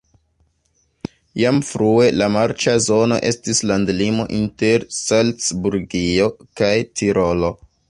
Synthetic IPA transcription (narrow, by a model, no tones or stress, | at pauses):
jamfɾue̞lamaɾt͡ʃazo̞no̞̰ʔe̞stislandlimo̞ʔinte̞ɾsalsbuɾɡio̞kajtʰiɾʔo̞lo̞